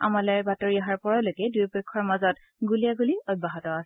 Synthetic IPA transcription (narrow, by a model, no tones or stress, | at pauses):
a̰malɛbatoɹiaɦaɹpɔɹalokɛdujpɔkʰːɔɹmazɔt | ɡuliaɡuliɔd̚baɦɔtɔasɛ